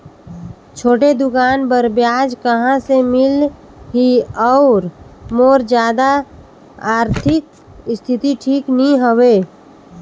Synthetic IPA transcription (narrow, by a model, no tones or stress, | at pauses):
t͡ʃʰoːʈed̪ʊkaːnbəɾbjaːd͡ʒkəɦãsemɪl | ɦiɔʊɾmoːɾd͡ʒjaːd̪a | aːɾt̪ʰɪk̚ | st̪ʰɪt̪iʈʰiːknĩɦəweː